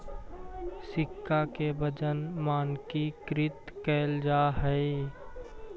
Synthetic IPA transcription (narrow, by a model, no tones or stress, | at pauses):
sɪkʰːakebəd͡ʒənmaːnkikɾɪt̪kɛːld͡ʒaːɦɛi